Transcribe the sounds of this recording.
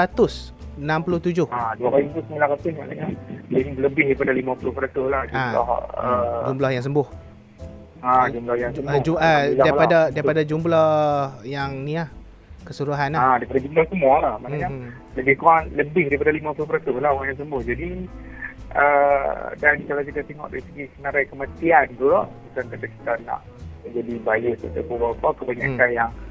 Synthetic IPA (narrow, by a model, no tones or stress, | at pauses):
tat̪ʊs | ənampulʊht̪ud͡ʒʊhaduakalit̪usəmilakap̪ɪsma̰na̰ɲailəbɪhdaipadalimapulʊhpəɾat̪ʊhlahd͡ʒamla̰hə̰d͡ʒumblahjaŋs̬əmbʊh | ad͡ʒumblahjaŋsəd͡ʒualadailpadadaipadad͡ʒumblahjaŋniah | kəsuɾuɦanadaipadad͡ʒumblahsəmɔlahmanaɲa | ləbɪhkoaŋləbɪhdaipadalimapulopəɾat̪ubəlaoaŋjaŋs̬əmbʊhd͡ʒadi | ʔədankalakid̪at̪eŋɔ̰ʔdaɾisəɡisənaɾajkəmat̪iant̪ulaʔkitankat̪aki̥t̪ana̰ʔ | əd͡ʒadibajəst̪ə̰t̪apobapakəbaɲa̰ʔkanjaŋ